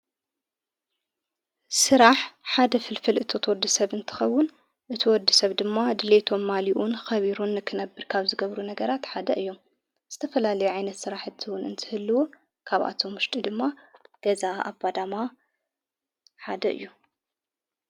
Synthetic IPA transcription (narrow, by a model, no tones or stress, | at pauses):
sɨɾaħħad̪ɐfɨlfɨlʔɨt̪ʰo̞t̪ʰwɔd̪isɐβɨnt̪ʰɨ̥xɐwːʊn | ʔɨt̪ʰiwɔd̪isɐβd̪ɨmːad̪ɨle̞t̪ʰo̞mːaliʔunxɐβiɾunːɨkʰɨnɐbːɨɾkʰaβzɨɡɐβɾunɐɡɐɾat̪ħad̪ɐʔɨjːo̞m | z̥ɨt̪ʰɐfɐlalɐjuʕajnɐt̪sɨɾaħɨt̪ʰiwʊnɨnt̪ʰɨhɨlːuwu | kʰaβʔa̰t̪ʰo̞mːʊʃt̪ʼid̪ɨmːaɡ̥ɐzaʔa̰bad̪ama | ħad̪ɐʔɨ̰jːu